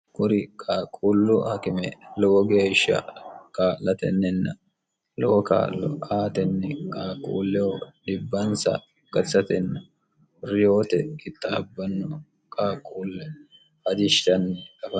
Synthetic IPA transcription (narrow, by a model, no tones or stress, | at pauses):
kʊɾɪkʼaːkʼuːlːʊhɐkɪmɛlɔwɔɡe̞ːʃːɐ̰kaːlɐt̪ɛ̰nːɛnːɐ | lɔwka̰ːʔlɔ̰aːt̪ɛnːɛkʼaːkʼṵːlːɛwɔd̪ɪbːɐnsɐ̰ | kɐsɐt̪ɛnːɐ | ɾɪjoːt̪ɛɪt̪ːɐɐbːɐnːɔ | kʼaːkʼuːlːɛ | hɐd͡ʒɪʃt̪ɐnːɛkʼɐfɐ